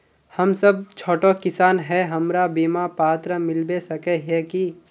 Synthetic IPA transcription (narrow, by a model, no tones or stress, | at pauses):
hɐmsəb̚t͡ʃʰoːʈokɪsaːnɦɛɦɐmɾabiːmapaːt̪ɾəmɪlbesɐkɛɦɛki